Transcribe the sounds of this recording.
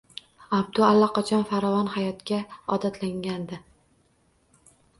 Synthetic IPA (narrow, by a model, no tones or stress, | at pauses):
abd̪ʊalːaqɑt͡ʃʰɒnfaɾɒvɒnhajɒt̪kʲaɒd̪at̪ʰlaŋɡʲand̪ɪ